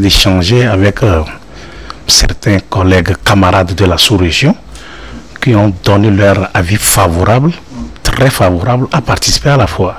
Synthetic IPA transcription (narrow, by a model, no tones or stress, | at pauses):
d̪eʃɑ̃ʒeavɛk | sɛ̰ɾt̪ɛ̃kɔlɛɡkamaɾad̪ːəlasuɾeʒjɔ̃ | kiɔ̃d̪ɔnelœɾavifavoɾabl | t̪ɾɛfavoɾablapaɾt̪isi̥pealafwa